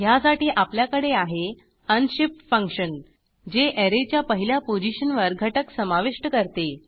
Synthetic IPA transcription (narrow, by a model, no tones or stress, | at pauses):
ɦjasaʈiːʔapljakəɽeaɦe | ənɕipʈfə̃ŋkɕən | d͡ʑeʔeɾet͡ɕjapəɦiljapod͡ʑiɕənʋəɾɡʱəʈəksəmaʋiʂʈəkəɾt̪e